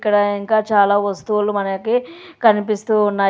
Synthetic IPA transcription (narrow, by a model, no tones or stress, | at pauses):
kːɐɽɐiŋkaːt͡ʃaːlaːʋɐst̪uulumɐnɐki | kɐnipist̪uːnːaː